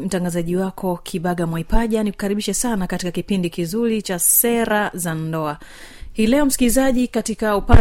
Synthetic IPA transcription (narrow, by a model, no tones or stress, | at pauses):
m̩taŋɡazaʄiwakʰɔkʰiɓaɠamwaipaʄaniku̥kaɾiɓiʃɛsanakatikakipindikizuɾit͡ʃasɛɾazandɔa | hiːlɛɔm̩si̥kilizaʄikatikaupa